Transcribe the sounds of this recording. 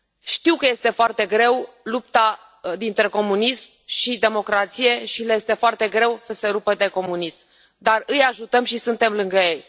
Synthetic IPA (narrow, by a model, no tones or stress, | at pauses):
ʃt̪iwkəje̞st̪e̞foart̪e̞ɡɾe̞w | lupt̪a | d̪int̪ɾe̞ko̞munism | ʃid̪e̞mo̞kɾat̪sije̞ʃiljest̪e̞foart̪e̞ɡɾe̞wsəse̞ɾupəd̪e̞ko̞munism | d̪arɨjaʒut̪əmʃisɨnt̪e̞mlɨŋɡəje̞j